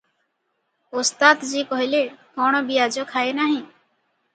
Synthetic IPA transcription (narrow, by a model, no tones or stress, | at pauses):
ʊst̪aːt̪d͡ʒiːkɔɦileːkoːɳ̃õːbijaːd͡ʒoːkʰaːeːnaːɦĩː